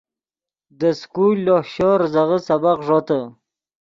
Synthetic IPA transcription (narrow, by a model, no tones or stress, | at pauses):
d̪əskulːohɕoɾzaʁəsabaqʐot̪ə